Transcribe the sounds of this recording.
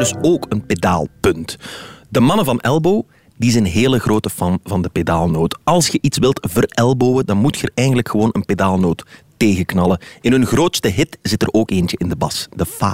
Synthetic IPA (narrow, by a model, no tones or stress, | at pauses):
dɵsoːkənpeda̰ːlˠpɵntdəmɑnəvɑnɛlˠboː | dizɛnɦeːləɣroːtəfɑnvɑndəpedaːlˠnoːtɑlˠsxəʔitsʋɪlˠtvərɛlˠboːwədɑnmutxərɛjɣəndələkxəʋoːnənpedaːlˠnoːtː | eːɣəknɑlˠəɪnɦɵnɣroːtstəɦɪtz̥ɪtəroːkeːnt͡ʃəʔɪndəbɑsdəfa̰ː